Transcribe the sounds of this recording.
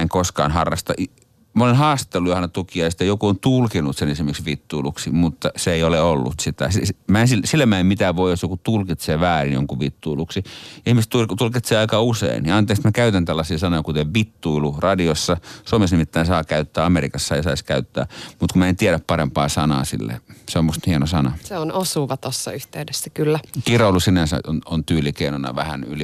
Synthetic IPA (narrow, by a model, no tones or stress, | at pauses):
eŋkoskɑ̰ːnhɑrːɑst̪ɑ̰ʔ | molenhɑːst̪ˑelːujohɑnet̪ukiɑjɑst̪ːejokuont̪ulkinut̪senesimeksʋit̪ːuiluksimut̪ːɑseeioleolːṵt̪sit̪æ̰sismæensilsilːæmæemmit̪æʋoijjosjokut̪ulkit̪seːʋæːrinjo̰ŋkuʋit̪ːuiluksiihmist̪ut̪ulkit̪seːɑikɑusḛiniɑnt̪eːksmækæyt̪ænt̪ælːɑsiːsɑnojɑkut̪eʋʋit̪ːuilurɑdiosːɑsuomesnimit̪ːæːnsɑːkæyt̪ːæːɑmeɾikɑsːɑeisɑiskæyt̪ːæ̰ːmut̪kumæent̪ieɾæppɑrempɑːsɑnɑ̰ːsḭlːḛseomːust̪hienosɑnɑseonosuːʋɑt̪osːɑ̰yht̪eydesːækylːækiroulusinænsæ̰onont̪yːlˑikeinonɑ̰ʋæhæ̰ny̰li